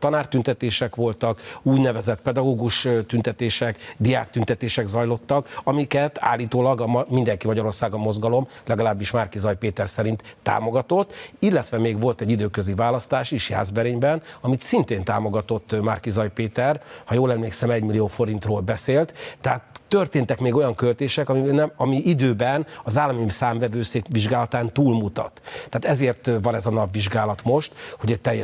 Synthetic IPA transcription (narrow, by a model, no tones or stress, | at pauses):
t̪ɒnaːrt̪ynt̪ɛt̪eːʃɛkʋo̞lt̪ɒkuːɟnɛvɛzɛt̪pɛd̪ɒɡoːɡuʃt̪ynt̪ɛt̪eːʃɛkd̪ijaːkt̪ynt̪ɛt̪eːʃɛɡzɒjlo̞t̪ːɒkɒmikɛt̪a̰ːlːiːt̪oːlɒɡɒmmind̪ɛŋkimɒɟɒɾo̞rsaːɡɒmo̞zɡɒlo̞mlɛɡɒlaːbːiʃmarkizɒjpeːt̪ɛrsɛɾint̪ːa̰ːmo̞ɡɒt̪o̞t̪ːilːɛt̪ʋɛmeːɡʋo̞lt̪ɛɟid̪øːkøzivaːlɒst̪aːʃeːʃja̰ːzbɛɾeːɲbɛnɒmit̪sint̪eːnt̪a̰ːmo̞ɡɒt̪o̞t̪ːmaːrkizɒjpeːt̪ɛrhɒjoːlɛmleːksɛmɛɟmilːijoːfo̞ɾint̪roːlbɛseːlt̪t̪ɛɦaːt̪ːørt̪eːnt̪ɛkmeːɡo̞jɒŋkølt̪eːʃɛkɒminɛɒmiʔid̪øːbɛnɒzaːlːɒmimsaːmvɛvøːseːkʋiʒɡaːlɒt̪aːnt̪uːlmut̪ɒ̰t̪t̪ːaːt̪ɛzeːrt̪vɒnɛzɒnɒbviʒɡaːlɒt̪mo̞ʃt̪ho̞ɟɛct̪ɛjːɛ